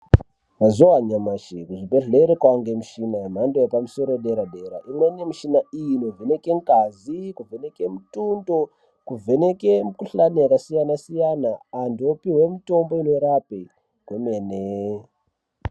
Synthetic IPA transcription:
ʋazowaɲamaʃikuʐibe̞ɮeɾekwaŋɡemuʃinaem̤andojepamuso̞ɾoɗeɾaɗeɾaʔimwenemiʃinaijino̞vʱene̞ke̞ŋkazikuvʱe̞ne̞kemutundo | kuvʱe̞ne̞kemukuɬanijakasijanasijanaːndiopiɦwemito̞mbo̞ino̞ɾape | kwemene

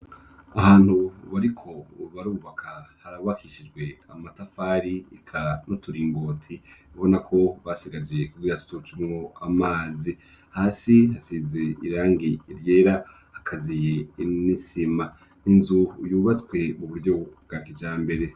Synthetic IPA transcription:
ahaːn̥huβaɾikʰo̞βaɾuːβakʰahaɾaβakʰiʃid͡ʒɡwe̞a̰matafaɾiikʰano̞tʰuɾiːŋɡo̞ːtʰiβo̞nakʰo̞βasiɡad͡ʒe̞kuɡiːɾatu̥tut͡ʃimŋo̞amaːzi | haːsihasizeiɾaːŋɡiːɾjeːɾa | hakʰazijenisima | ninzujuːβat͡skwe̞muβuɾɟo̞ɡ̥akid͡ʒaːmbe̞ɾe̞

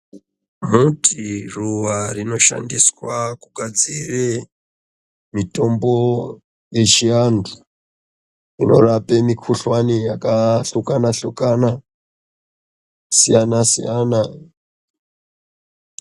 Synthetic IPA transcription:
mutʰiruwarino̞ʃa̰ndiswakuɡʱad͡zire | mito̞mbo̞ | je̞t͡ʃiandu | ino̞̰rapemikʰuɬwanijakaɬukanaɬukana | sijanasijana

